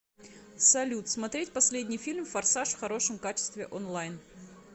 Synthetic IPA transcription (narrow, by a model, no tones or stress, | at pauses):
sɐlʲut̪smɐt̪ɾʲetʲpɐsʲlʲedʲnʲɪjfʲilʲmfɐrsaʂfxɐɾo̞ʂɨmkat͡ɕɪ̥st̪vʲɪʔonlˠajn